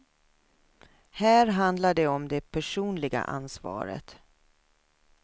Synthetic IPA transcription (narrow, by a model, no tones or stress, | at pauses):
hæːɾɦand̪laɖɛɔmd̪ɛpʰæʂuːnlɪɡa̰ʔa̰nsvɑ̰ːɾə̰t̪